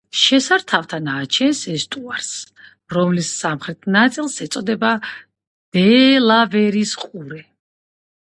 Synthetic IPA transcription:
ʃɛsaɾt̪ʰaft̪ʰanaːt͡ʃʰɛnsɛst̪ʼuaɾs | ɾɔmlisːamχɾɛt̪ʰnat̪sʼilˠsɛt̪sʼɔd̪ɛba | d̪̥ɛlavɛɾisqʼuɾɛ

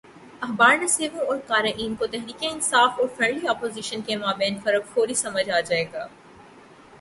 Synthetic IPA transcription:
ɐɦbaːɾnɐseːʋõɔːɾkaːɾaʔiːnkot̪ɛɦɾiːkeɪnsaːfɔːɾfɾɛ̃ɳɖliɔːpoːziːʃənkemaːbɛ̃ːnfɐɾəkfoːɾisɐməd͡ʒʱaːd͡ʒaːeːɡaː

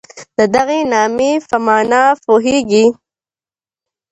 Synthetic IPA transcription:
d̪̥əd̪aɣenɑːmefamɑːnɑpoɦeɡi

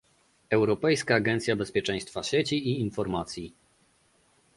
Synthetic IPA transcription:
ɛwɾɔpɛjskaːɡɛnt̪sʲjabɛspʲjɛt͡ʂɛj̃st̪faɕet͡ɕiiːnfɔɾmat̪sʲji

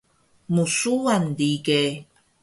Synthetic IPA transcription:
musuandike

